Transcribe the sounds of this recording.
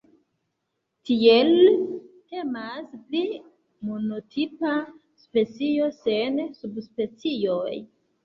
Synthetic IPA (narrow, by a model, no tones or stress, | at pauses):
tielte̞maspli | mono̞tʰipa | spe̞t͡sio̞se̞nsubspe̞t͡sioj